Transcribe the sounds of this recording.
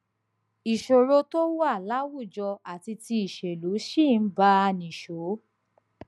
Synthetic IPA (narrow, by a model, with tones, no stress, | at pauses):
i˨ʃo˨ɾo˧to˦wa˦˨la˨˦wu˦˨d͡ʒɔ˧a˨ti˧ti˧i˨ʃe˨lu˨˦ʃi˦˨n̩˦ba˦a˧nĩ˨ʃo˨˦